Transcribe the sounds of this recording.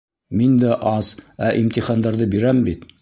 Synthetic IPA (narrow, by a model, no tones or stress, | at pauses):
mind̪æʔɑz̥æʔimt̪iχɑnd̪ɑɾðɤbiɾæmbit̪